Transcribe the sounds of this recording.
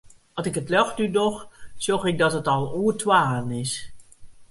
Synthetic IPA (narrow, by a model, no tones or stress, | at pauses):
ɑlˠsɪkətlɔχdydɔχz̥ɔɹχɪɡ̚dɑtɦətɑlˠuːətwaːənɪs